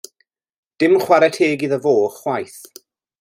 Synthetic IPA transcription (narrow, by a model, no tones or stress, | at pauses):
d̥ɪmχwaɾɛtʰeːɡiðəvoːχwajθ